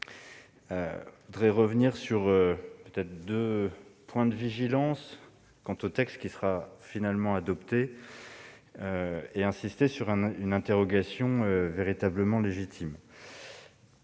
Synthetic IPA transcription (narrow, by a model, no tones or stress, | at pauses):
ø̰vud̪ʁeʁəvniʁsyʁøpøt̪ɛt̪χəd̪øpwɛ̃d̪əviʒilɑ̃s | kɑ̃t̪ot̪ɛkst̪kʲisəʁafinalmɑ̃ad̪ɔpt̪e | øeɛ̃sist̪esyʁɛ̃ynɛ̃t̪eʁɔɡasjɔ̃øveʁit̪abləmɑ̃leʒit̪ʰim